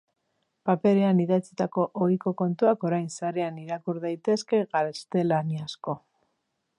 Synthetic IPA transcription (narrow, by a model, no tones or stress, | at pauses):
pape̞ɾe̞aniðat͡sit̪ako̞ʔojko̞ko̞nt̪uako̞ɾajnsaɾeaniɾakuɾðajt̪e̞ske̞ɣaɾest̪e̞laniasko̞